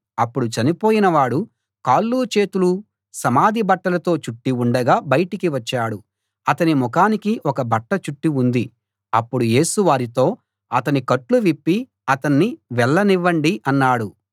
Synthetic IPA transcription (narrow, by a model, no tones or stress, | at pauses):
ɐpːuɽut͡ʃɐnipo̞ːjinɐʋaːɽu | kaːlːuːt͡ʃe̞ːt̪ulu | sɐmaːd̪ʱibɐʈːɐlɐt̪o̞ːt͡ʃuʈːiuɳɖɐɡaːbɐjɐʈikiʋɐt͡ʃːaːɽu | ɐt̪ɐnimɔkaːnikiʔɔkɐbɐʈːɐt͡ʃuʈːiund̪i | ɐpːuɽuje̞ːsuʋaːɾit̪o̞ː | ɐt̪ɐnikɐʈluʋipːi | ɐt̪ɐnːiʋɛɭːɐniʋːɐɳɖiʔɐnːaːɽu